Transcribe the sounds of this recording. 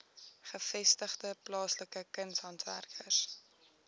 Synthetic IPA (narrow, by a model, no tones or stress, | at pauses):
χəfɛstəχdəplɑːsləkəkənsɦɐntvæ̰rkʰəs